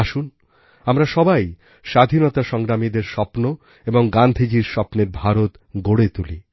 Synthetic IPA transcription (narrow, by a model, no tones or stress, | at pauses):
aʃun | amɾaʃɔbaj | ʃad̪ʱinot̪aʃɔŋɡɾamid̪eɾʃɔpno | eboŋɡand̪ʱid͡ʑiɾʃɔpneɾbʱaɾot̪ | ɡoɽet̪ulḭ